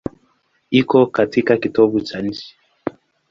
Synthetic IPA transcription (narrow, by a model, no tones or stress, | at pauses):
ikɔkatikakitɔɓut͡ʃan̩t͡ʃi̥